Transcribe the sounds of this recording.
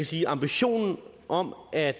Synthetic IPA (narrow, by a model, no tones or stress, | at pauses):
æsiːʔɑ̈mb̥iɕo̝̰ːnn̩ | ʔɒ̽mʔæd̥